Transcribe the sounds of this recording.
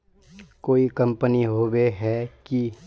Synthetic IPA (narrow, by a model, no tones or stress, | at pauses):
koːikɐ̃mpəniɦoːweɦɛki